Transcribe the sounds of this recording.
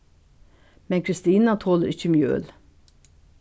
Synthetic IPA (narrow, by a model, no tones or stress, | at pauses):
mɛnkʰɾɪst̪iːnɑt̪ʰoːləɾɪçəmjø̰ːl